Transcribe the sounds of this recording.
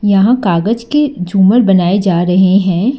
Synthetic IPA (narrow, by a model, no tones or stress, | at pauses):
jɐɦãkaːɡəd͡ʒked͡ʒuːməɾbɐnaːed͡ʒaːɾɐɦeɦɛ̃ː